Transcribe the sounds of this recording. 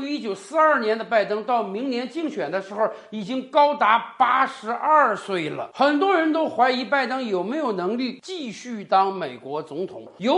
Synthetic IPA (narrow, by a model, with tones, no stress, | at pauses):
i˥t͡ɕjo˨˩ʊsɹ̩˥˧ɐ˞˥˩njɛ˧˥nd̪ə˧pa˥˩ɪt̪ɤ˥ŋt̪ɑ˥˩ʊmi˧˥ŋnjɛ˧˥nt͡ɕi˥˩˧ŋɕɥɛ˨˩nd̪ə˦ʂɻ̩˧˥xo˥˧˩ʊi˨˩t͡ɕi˥ŋkɑ˥ʊt̪a˧˥pa˥ʂɻ̩˧˥ʔə˞˥˧swe˥˩ɪlə̰˩xə˨˩nt̪wɔ˥ɻə˧˥nt̪o˥ʊxwa˧˥ɪi˧˥pa˥˩ɪt̪ɤ˥ŋjo˨˩ʊme˧˥ɪjo˨˩ʊnɤ˧˥ŋli˥˧t͡ɕi˥˧ɕy˥˩t̪ɑ˥ŋme˨˩ɪkwɔ˧˥t͡sʊ˧˥ŋt̪ʰʊ̰˨˩˦ŋjo˧˥